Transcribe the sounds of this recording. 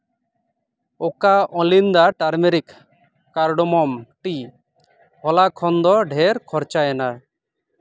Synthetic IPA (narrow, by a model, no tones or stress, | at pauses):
okaɔlind̪aʈaɾmeɾik | kaɾɖɔmɔmʈi | hɔlakʰɔnd̪ɔɖʱeɾkʰɔɾt͡ʃaɛna